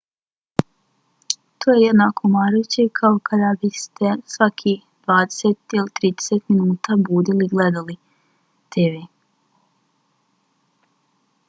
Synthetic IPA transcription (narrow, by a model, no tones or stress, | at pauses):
t̪oːjejed̪nakʰomaːɾut͡ɕekʰaokad̪abist̪ʰesʋakʰi | d̪̥ʋaːd̪eset̪ilit̪ɾiːd̪e̥set̪minuːt̪abuːd̪iliɡled̪ali | t̪ʰeːʋeː